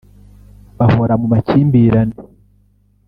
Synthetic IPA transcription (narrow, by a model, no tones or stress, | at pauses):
βahoɾamumaciːmbiɾani